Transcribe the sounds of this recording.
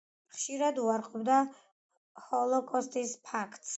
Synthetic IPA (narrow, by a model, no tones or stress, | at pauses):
χʃiɾad̪uaɾqʼɔbd̪a | hɔlˠɔkʼɔst̪ʼispʰakʰt̪ʼs